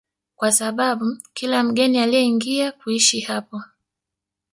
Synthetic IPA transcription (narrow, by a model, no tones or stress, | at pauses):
kwasaɓaɓukilam̩ɠɛnialijɛiŋɡiakuiʃihapɔ